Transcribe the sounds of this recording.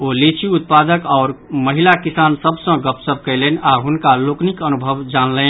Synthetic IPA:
olit͡ʃʰiut̪̚pad̪əkɔʊɾməɦilakisansəbsə̃ɡəpsəb̚ʱkəlɛnaɦunkaloknikənubʱəʋd͡ʒanlɛn

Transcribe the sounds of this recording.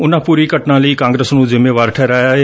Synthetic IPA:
ʊnãpuːɾikɐʈnãliːkãːŋɡɾeːsnũːzɪmeːʋaːɾʈʰɛːɾaːjaɦe

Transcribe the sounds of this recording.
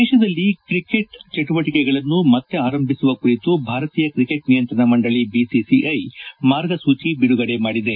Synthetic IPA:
d̪ɛːʃɐd̪ɐlːikɾike̞ʈt͡ʃeʈuʋɐʈikɛɡɐɭɐnːumɐt̪ːe̞aːɾɐmbʱisuʋɐkuɾit̪ubʱaːɾɐt̪iːjɐkɾike̞ʈnijɐnt̪ɾɐɳɐmɐɳɖɐɭibisisiʔɐjmaːɾɡɐsuːt͡ʃibiɽuɡɐɽe̞maːɽid̪e̞

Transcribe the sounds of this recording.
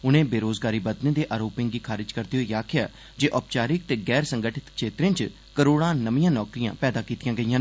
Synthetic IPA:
ʊnẽːbeːɾoːzɡaːɾiːbət̪nẽːd̪eːʔaːɾoːpɪ̃ŋɡiːkʰaːɾɪd͡ʒkəɾt̪eɦoiːaːkʰɪja̰ː | d͡ʒeːʔɔːpt͡ʃaːɾɪk̚t̪eːɡɛːɾsə̃ŋɡəʈʰɪt̪kʃeːt̪ɾẽːt͡ʃ | kəɾoːɽ̃ãːnəʋijãːnɔːkɾijã̰ːpɛːd̪aːkiːt̪ɪjãːɡəijãːn

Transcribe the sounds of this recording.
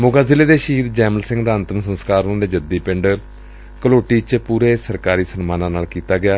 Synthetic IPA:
mʊɡaːzɪleːd̪eːʃiːd̪̚d͡ʒɛːməlsɪ̃ŋɡd̪aːənt̪əmsənskaːɾʊ̃d̪eːd͡ʒəd̪iːpɪ̃ɳɖ | kəloːʈiːt͡ʃpuːɾeːsəɾkaːɾiːsənmaːnãːnaːlkiːt̪aːɡɪaː

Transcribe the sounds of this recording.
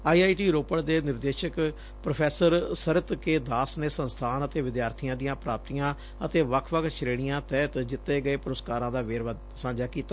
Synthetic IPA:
aːiːaːiːʈiːɾoːpəɽd̪eːnɪɾd̪eːʃək | pɾopʰɛːsəɾsəɾət̪keːd̪aːsneːsə̃nst̪ʰaːnət̪eːʋɪd̪jaːɾt̪ʰijãːd̪ijãːpɾaːp̚t̪ijãː | ət̪eːʋəkʰʋək̪ʰʃʰɾeːɽ̃ijãːt̪ɛːt̪d͡ʒɪt̪ːeːɡəeːpʊɾəskaːɾãːd̪aːʋeːɾʋəd̪ | sãːd͡ʒaːkiːt̪ːaː

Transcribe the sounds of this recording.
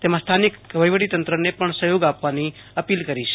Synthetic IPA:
t̪emãst̪ʰanikʋəjʋəɽit̪ənt̪ɾənepəɳsəjoɡapʋani | əpilkəɾit͡ʃʰe̥

